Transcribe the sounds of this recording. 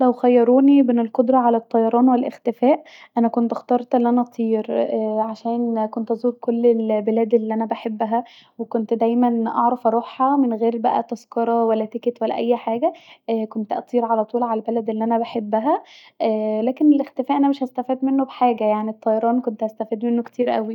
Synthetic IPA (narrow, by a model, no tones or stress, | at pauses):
læwxæjːɑɾˤuːnimenelqod̪ɾˤɑʕalæt̪ˤːɑjɑɾˤɑːnwelʔḛxt̪efæːʔ | ʔænækont̪ʔxt̪ɑːɾˤt̪ʔelːiʔænæʔt̪ʰˤiːɾʕaʃæːnkont̪ʔɑzuːd̪̚kolːelbelæːd̪elːiʔænæbaħebːæɦæ | wekont̪d̪æjmænʔɑ̰ʕɾˤɑfʔɑɾˤuːħːæmenɣeːɾbæʔæ̰t̪ɑskɑɾˤɑwælːæt̪eket̪wælːæ̰ʔæjːħaːɡæʔækont̪ʔæt̪ˤiːɾʕalæt̪ˤuːlʕalælbælæd̪ʔelːiʔænæbaħebːæɦæʔæːlæːkenelʔext̪efæːʔænæmeʃhæst̪æfiːd̪menːobħaːɡæjaʕnit̪ˤːɑjɑɾˤɑːnkont̪hæst̪æfiːd̪menːokt̪iːɾʔæ̰wi